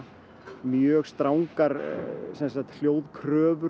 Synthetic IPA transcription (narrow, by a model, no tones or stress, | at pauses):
mjœːɣst̪ɾaːwŋkaɾsɛnsat̪l̥joːwðkʰɾœːvʏ